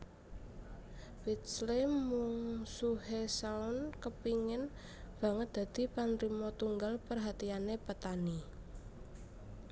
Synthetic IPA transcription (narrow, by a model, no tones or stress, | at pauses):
fit̪slemuŋsuɦesaʊnkəpiŋɪn | b̥ä̤ŋət̪̚d̪̥ä̤d̪̥i̤panɾimɔt̪uŋɡalpərɦat̪ianepət̪ani